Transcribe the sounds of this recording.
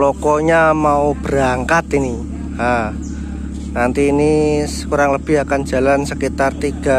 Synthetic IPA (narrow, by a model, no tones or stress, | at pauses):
lɔkɔɲamaub̥əɾaŋkat̪ini | ha | nant̪iːniskuɾaŋləb̥ɪɦakan̥d͡ʒ̥a̤lansəkit̪art̪iɡ̥a̤